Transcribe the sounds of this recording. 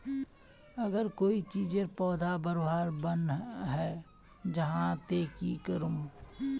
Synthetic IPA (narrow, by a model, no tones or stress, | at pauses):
əɡəɾkoːit͡ʃiːd͡ʒeɾpɔːd̪ʱabəɾoːɦaɾbənɦɛː | d͡ʒəɦãt̪eːkikəɾũ